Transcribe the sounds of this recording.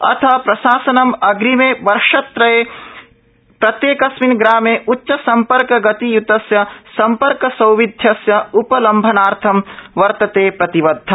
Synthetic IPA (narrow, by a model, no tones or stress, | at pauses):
ɐ̰t̪ʰɐpɾɐʃaːsɐnɐmɐɡɾimeːʋɐɾʃɐt̪ɾɐjeː | pɾɐt̪jeːkɐsminɡɾaːmeːʔutːʃɐsɐmpɐɾkɐɡɐt̪ijut̪ɐsjɐsɐmpɐɾkɐsɐwʋid̪ʱjɐsjɐupɐlɐmbʱɐnaːɾt̪ʰɐmʋɐɾt̪ɐt̪eːpɾɐt̪iʋɐd̪ʱːɐ